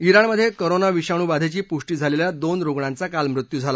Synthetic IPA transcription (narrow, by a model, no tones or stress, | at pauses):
iɾaɳməd̪ʱːjekoɾonaʋiɕaɽ̃uːbad̪ʱet͡ɕiːpuʂʈiːd͡zʱaleljad̪onɾoɡɳãnt͡sakalmɾut̪juːd͡zʱala